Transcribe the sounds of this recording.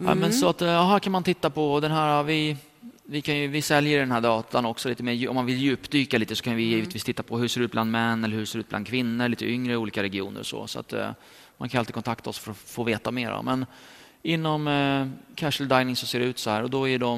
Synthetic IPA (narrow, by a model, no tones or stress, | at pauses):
ɛ̰ːmɛnsɔat̪ɑɦæːɾkʰanmant̪ʰɪt̪ːapʰɔd̪ɛnɦæːɾavɪ | vɪkʰanjɵvɪsɛljəɖɛnhæːɖɑːt̪ʰanɔksɔliːt̪əmeːɾjʔɔmːanvɪljʉ̟ːpd̪yːkaliːt̪əsɔ̥kʰanjəvɪjiːvət̪viːst̪ʰɪt̪ːapʰɔhɵseːɖɛʉːt̪bland̪mɛnːɛlːəɾhɵʂseːɖʉ̟t̪̚b̪and̪kʰvɪnːəɭiːt̪əʏŋɾəɪuːliːkaɾɛɡɪuːnə̰ɾɔ̰sɔ̰ːsɔa̰t̪ | ma̰ŋkʰanɵalt̪ɪkʰɔnt̪ʰakt̪ʰaɔsfœɾɔfoːveːt̪ameːɾɔ̰mɛn | ɪnːɔmkʰæʂəld̪aɪnɪŋsɔseːɖɛʉ̟ːt̪sɔhæːɾɔd̪ɔæɖɔm